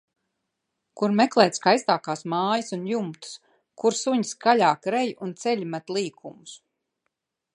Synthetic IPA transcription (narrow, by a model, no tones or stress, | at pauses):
kuɾmɛklˠɛːt̪skajst̪aːkaːsmaːjəsunjumt̪u̥s | kuɾsuɲiskalʲaːkɾɛjʔunt̪sɛʎʲmat̪lˠiːkʰumus